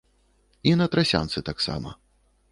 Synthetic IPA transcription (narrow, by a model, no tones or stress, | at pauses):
inɐt̪ɾasʲa̰nt̪sɨt̪aksa̰mɐ̰